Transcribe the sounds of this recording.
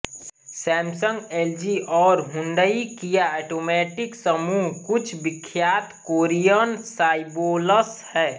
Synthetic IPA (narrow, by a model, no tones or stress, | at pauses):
sɛ̃ːmsə̃ŋɡeld͡ʒiʔɔːɾɦʊ̃nɖ̪əikijaɛːʈoːmɛːʈɪksəmuːɦkʊt͡ʃʰbɪkʰːjaːt̪koːɾijənsaːɪboːləshɛː